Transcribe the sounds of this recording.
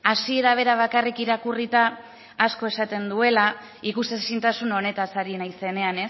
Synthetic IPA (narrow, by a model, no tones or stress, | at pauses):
asie̞ɾaβ̞e̞ɾaβ̞akarikiɾakurit̪aː | sko̞e̞sat̪e̞nd̪ue̞la | ikusesint̪asuno̞ne̞t̪asaɾinajse̞ne̞ane̞s